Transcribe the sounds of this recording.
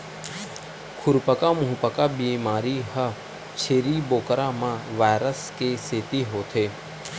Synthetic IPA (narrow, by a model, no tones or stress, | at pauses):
kʰʊɾpəkaːmʊɦpəkabimaːɾiːɦə | t͡ʃʰeːɾiːboːkɾãːmãːʋaːjɾəskeseːt̪iɦoːt̪ʰeː